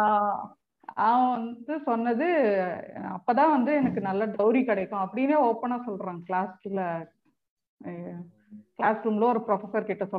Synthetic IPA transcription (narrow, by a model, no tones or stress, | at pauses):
aː | aːɐ̃ʋɐnd̪ɯsɔnːɐðɯ | ɐpːoːt̪ãːʋɐnd̪ɯɛnɐkːɯnɐlːɐɖɐʋʊɾikɪɽɐkːʊ̃ɐpːɐɽɪneːɔːpːɐnaːsɔlɾãːkɭaːsɪlɐ | klaːsɾuːmloːɔɾɯpɾɔfɛsɐɾkɪʈːɐsɔ